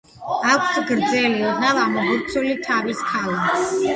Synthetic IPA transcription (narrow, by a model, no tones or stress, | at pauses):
akʷʰsɡɾd̪zɛliʁavamɔbuɾt̪sʰulit̪ʰaviskʰalas